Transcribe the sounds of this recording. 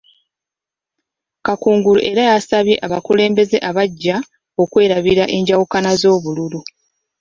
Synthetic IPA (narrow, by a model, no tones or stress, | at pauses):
kakuːŋɡuluʔe̞ɾajasaβje̞ʔaβakule̞ːmbe̞ze̞ʔaβaɟːa | o̞kwe̞ːɾaβiɾaʔe̞ɲɟawukanazo̞ːβululu